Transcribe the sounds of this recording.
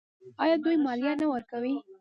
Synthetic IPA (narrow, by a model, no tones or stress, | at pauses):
ɑjɑd̪ujmɑljanawəɾkawi